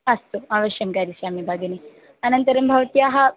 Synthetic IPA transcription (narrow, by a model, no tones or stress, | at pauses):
ɐst̪uaʋəʃjɐmkaːɾisaːmibʱaːɡɐni | ɐnɐnt̪ɐɾɐmbʱɐʋt̪ijaɦɐ